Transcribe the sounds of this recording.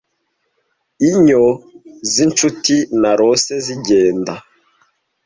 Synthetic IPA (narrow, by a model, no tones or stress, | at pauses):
iɲozint͡ʃutinaɾoseziɟeːnda